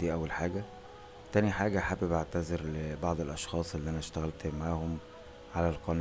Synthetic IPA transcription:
d̪iːʔæwːælħaːɡæ | t̪æːniħaːɡæħabebaʕt̪æzeɾlebɑʕd̪ˤelʔɑʃxɑːsˤʔelːiːʔænæʃt̪æɣælt̪maʕaːhom | ʕalælqɑn

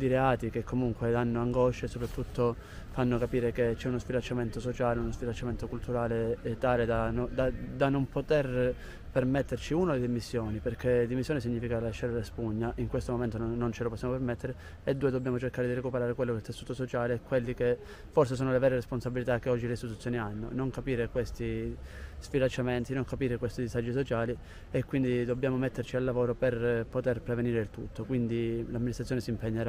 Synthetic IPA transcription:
d̪iɾeaːt̪ik̟ekʰːomuŋkwed̪anːoaŋɡɔʃːesopɾat̪ːut̪ːo | fanːokapiːɾeket͡ʃːɛunospilant͡ʃːament̪osot͡ʃaːleunospilant͡ʃament̪okult̪uɾaːlet̪aːled̪anod̪ad̪anompot̪ɛr | permet̪ːert͡ʃiunad̪eld̪imisːjoːniperkʰed̪imisːjɔːnisiɲːifikalaʃːaɾlespuɲːaʔiŋkwest̪omoment̪onːont͡ʃeloposːjamopeɾmet̪ːeɾe | ed̪ːuːed̪obːjaːmot͡ʃerkaːɾed̪irekupeɾaːɾekwelːokeilt̪esːuːt̪osot͡ʃaːlekwelːike | fːɔrsesoːnolevɛːɾeresponsabilit̪akːeɔd͡ʒːileist̪it̪ut̪sːjoːnianːo̰noŋkapiːɾekwest̪i | sfilat͡ʃːament̪inoŋkapiːɾekwest̪id̪izad͡ʒːis̬ot͡ʃaːli | ekːwind̪id̪obːjaːmomet̪ʰːert͡ʃialːavoːɾoperpot̪erpɾeveniːɾeilt̪ut̪ʰːokwind̪ilamːinist̪ɾat̪ːjonesimpeɲːeɾa

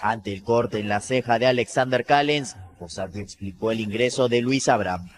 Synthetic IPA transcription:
ant̪e̞ːlko̞ɾt̪e̞ːnlase̞xaðeale̞ksand̪eɾkalensposakeekspliko̞eliŋɡɾe̞so̞ðe̞lwisaβɾam

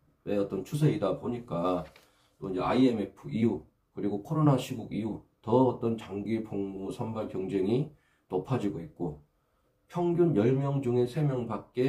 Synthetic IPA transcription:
we̞ʌt͈ʌnt͡ɕʰusʰeidapoɲik͈a | t͈oind͡ʑe̞a̰ieme̞pʰɯiu | kɯɾiɡokʰoɾonaɕʰiɡuɡiutʌʌt͈ʌnt͡ɕaŋɡipoŋmosʰʌmbaɭkjʌŋd͡ʑe̞ŋi | nopʰad͡ʑiɡoit̚k͈o | pʰjʌŋɡjunjʌɭmjʌŋd͡ʑuŋesʰe̞mjʌŋbak̚k͈e̞

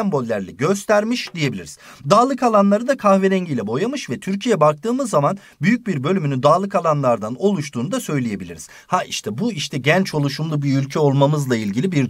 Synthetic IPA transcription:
ɛmbo̞lʲːæɾlʲɛɟø̞st̪ʰæɾmiʃd̪ije̞bilʲḭɾiz̥ | d̪aːlˠɯkalˠanlˠaɾɯd̪akʰaxveɾɛɲɟilʲɛbo̞jamɯʃvɛt̪ʰyɾcʰijɛbak̚t̪ʰɯːmɯzːaman | byjyc̚biɾbø̞lʲymynyd̪aːlˠɯkalˠanlˠaɾd̪ano̞lˠuʃt̪ʰuːnud̪asø̞jlʲeje̞bilʲḭɾḭz̥ | haiʃt̪ʰɛbuiʃt̪ʰɛɟɛnt͡ʃo̞lˠuʃumlˠubiylʲcʰɛo̞lˠmamɯzlˠailʲɟilʲibiɾ

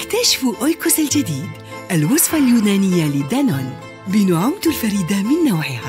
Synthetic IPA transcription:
ʔɪkt̪aʃɪ̥fʔojkʊsald͡ʒad̪iːd̪̚ | ʔalwʊsˤfaljuːnaːnɪjːalɪd̪anan | bɪnʕʊmd̪alfaɾiːd̪amɪnːawʕɪhaː

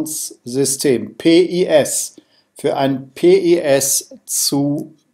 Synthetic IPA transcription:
nszʏstʰeːmpʰeːʔiʔɛs | fyːɐʔaɪnpʰeːʔiʔɛst͡su

